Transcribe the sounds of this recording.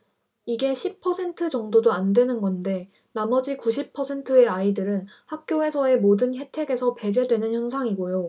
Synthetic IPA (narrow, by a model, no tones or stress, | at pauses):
iɡe̞ɕʰipʰʌsʰe̞ntʰɯd͡ʑʌŋdodoandwe̞nɯnɡʌnde̞ | namʌd͡ʑikuɕ̬ʰipʰːʌsʰe̞ntʰɯe̞aidɯɾɯnhak̚k͈joe̞sʰʌe̞modɯnçe̞tʰe̞ɡe̞sʰʌpe̞d͡ʑe̞dwe̞nɯnçjʌnsʰaŋiɡojo